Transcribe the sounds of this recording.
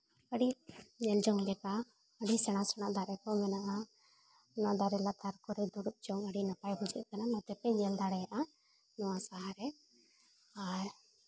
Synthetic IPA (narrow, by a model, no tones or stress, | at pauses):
kəɽiɲɛld͡ʒɔŋd̪ɛka | əɽisɛɽ̃ãsɛɽ̃aʔd̪aɾɛkɔmɛnaʔa | naʔd̪aɾɛlat̪aɾkɔɾɛd̪uɽup̚d͡ʒɔŋəɽinapajbud͡ʒɛʔ̚t̪ɛnamat̪ɛpɛɲɛld̪aɽɛjaʔa | nɔwasaɦaɾɛ | aɾ